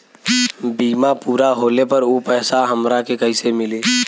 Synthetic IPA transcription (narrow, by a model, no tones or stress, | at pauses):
biːmapuːɾaɦoːlepəɾopɛɦsaɦəmɾakekəɦisemɪle